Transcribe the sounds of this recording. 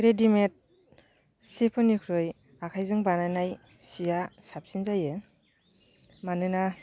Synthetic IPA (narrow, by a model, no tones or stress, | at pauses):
ɾedimet̚ | sipʰɯnikʰɾɯj | akʰajzɯŋbananaj | sijasap̚sinzajɯ | manɯna